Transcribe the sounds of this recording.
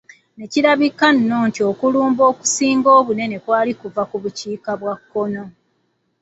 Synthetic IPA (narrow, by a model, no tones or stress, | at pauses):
ne̞ciɾaβikanːoːntio̞kuluːmbo̞ːku̥siːŋɡoːβune̞ne̞kwaːlikuvakuβuciːkaβwakːono̞